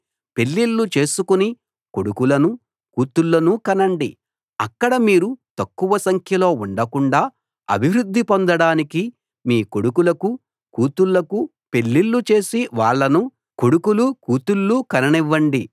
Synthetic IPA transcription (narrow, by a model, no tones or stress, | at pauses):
pe̞ɭːilːut͡ʃe̞ːsukuni | ko̞ɽukulɐnu | kuːt̪ulːɐnukɐnɐɳɖi | ɐkːɐɽɐmiːɾut̪ɐkːuʋɐsɐŋkʰjɐlo̞ːuɳɖɐkuɳɖaː | ɐ̰bʱiʋɾud̪ʱːipond̪ɐɽaːniki | miːko̞ɽukulɐku | kuːt̪ulːɐku | pe̞ɭːilːut͡ʃe̞ːsiʋaːɭːɐnu | ko̞ɽukulukuːt̪ulːukɐnɐniʋːɐɳɖi